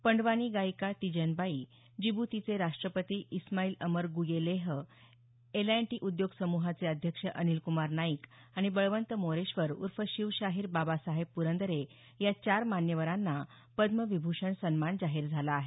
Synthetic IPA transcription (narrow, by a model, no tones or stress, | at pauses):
pəɳɖʋañiːɡajkat̪id͡ʑənbai | d͡ʑibut̪it͡seɾaʂʈɾəpət̪iʔismaiːləməɾɡujeleɦ | elaeɳʈiːʔud̪joɡsəmuɦat͡seəd̪ʱjəkʂəʔənilkumaɾnaikaɽ̃ibəɭʋənt̪əmoɾeɕʋəɾṵɾfəɕiʋɕaɦiːɾbabasaɦebpːuɾənd̪əɾe | jat͡ɕaɾmanjəʋəɾanːa | pəd̪məʋibʱuʂəɳsənmand͡zaɦiɾd͡zʱalaːɦe